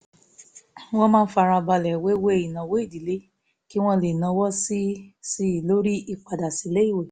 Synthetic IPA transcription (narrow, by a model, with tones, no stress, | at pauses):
w̃ɔ̃˦mãː˦˧n̩˦fa˧ɾa˧ba˧lɛ˨we˦we˦˨i˨nã˨wo˦i˦˨di˨le˨˦ | ki˦w̃ɔ̃˦˧le˨nã˧wɔ˦si˦si˧˨lo˦ɾi˦i˧˨k͡pa˨da˨si˨˦le˦i˦˨we˨